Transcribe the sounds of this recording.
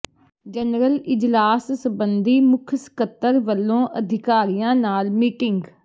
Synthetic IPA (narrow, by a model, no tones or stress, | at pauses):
d͡ʒənɾəlɪd͡ʒlaːssəbənd̪iːmʊkʰskət̪ːəɾʋəlːõːʔəd̪ʱɪkaːɾijãːnaːlmiːʈɪŋɡ